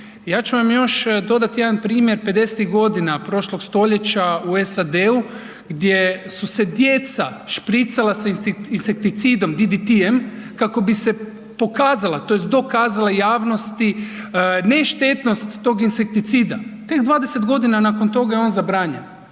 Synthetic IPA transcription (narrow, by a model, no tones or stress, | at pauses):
jaːt͡ʃuʋamjo̞ʃd̪o̞d̪at̪jed̪anpɾiːmjeɾpe̞d̪e̞se̥t̪iɣɡo̞d̪inapɾo̞ʃlo̞ɡst̪o̞ʎe̞t͡ɕauesad̪eu | ɡd̪jesuse̞d̪jet̪saʃpɾit̪salˠasaininsekt̪it̪sid̪o̞md̪id̪it̪iemkako̞bise̞ | po̞kaːzalat̪o̞jest̪̚d̪o̞kaːzalajaːʋno̞st̪i | ne̞ʃt̪e̞t̪no̞st̪ːo̞ːɡinsek̚t̪it̪sid̪a̰t̪eɡd̪ʋaːd̪eset̪ɡo̞d̪inanako̞nt̪o̞ɡajeo̞nzabɾaːɲen